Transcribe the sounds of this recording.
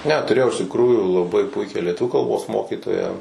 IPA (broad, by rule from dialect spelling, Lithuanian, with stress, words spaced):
nʲɛ tʊˈrʲeːjɛʊ ɪʃ tʲɪkˈruːjuː lˠɐˈbɐɪ ˈpʊɪkʲæː lʲiɛˈtʊʋʲuː kɐlˠˈboːs ˈmoːkʲiːtoːjæː